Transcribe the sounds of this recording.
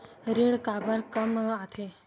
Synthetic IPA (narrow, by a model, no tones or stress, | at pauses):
ɾiɭkabəɾkəmat̪ʰe